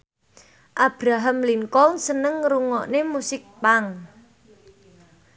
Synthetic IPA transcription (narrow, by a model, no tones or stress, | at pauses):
ʔab̥ɾaɦamliŋkɔŋsənəŋɾuŋɔʔnemusɪk̚paŋ